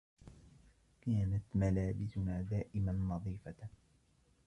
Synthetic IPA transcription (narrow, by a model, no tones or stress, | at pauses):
kaːnat̪malaːbɪsʊnaːd̪aːʔɪmanːɑðˤiːfa